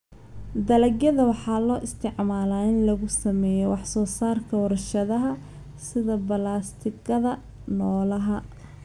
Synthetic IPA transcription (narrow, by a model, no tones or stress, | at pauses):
d̪ɐlɐɡjɐðɐwɑħɑːlɔːʔɪst̪ʰɪʕmaːlaːɪnlɐɣʊsɐmɛːjɔwɑħsɔːsaːrkʰɐwɐrɐʃɐðɐɦɐ | sɪðɐbɐlaːst̪ʰɪɡɐðɐ | nɔːlɐɦɐ